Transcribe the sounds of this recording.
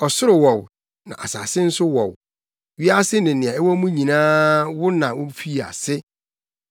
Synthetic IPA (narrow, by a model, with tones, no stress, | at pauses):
ɔ˨sʊ˦ɾʊ˨wɔ˨w | nã̰˨a̰˨saː˨sɪ˦n̩˦sʊ˦wɔ̰˨w | ɥi˦a˦sɪ˦nɪ̃˨nɪ̃˨ã˨ɛ˦wɔ˦mũ˦ɲĩ˨nãː˦wʊ˦nã˨wʊ˦fi˦˨a̰˨sɪ˦